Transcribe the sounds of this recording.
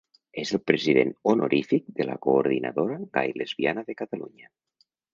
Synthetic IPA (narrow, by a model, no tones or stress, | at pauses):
ezelˠpɾeziðḛnono̰ɾʔifik̚d̪ela̰koːɾð̞ina̰ðoɾaɣa̰jlezβianaðekat̪aluɲa